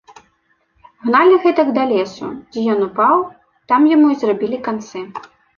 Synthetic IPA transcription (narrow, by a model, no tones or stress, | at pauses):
ɣnalʲiɣɛt̪ɐɡd̪alʲɛsṵd͡zʲɛjɔnupaw | t̪amjamuizrabʲilʲikant̪sɨ